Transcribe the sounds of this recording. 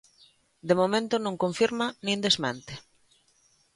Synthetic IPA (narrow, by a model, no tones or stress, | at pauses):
d̪emomẽnt̪onõŋkõɱfiɾmanĩnd̪ezmant̪e